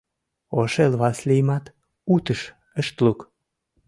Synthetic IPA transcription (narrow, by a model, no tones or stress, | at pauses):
oʃelβɑslijmɑt̪ | ut̪əʃ | əʃt̪luk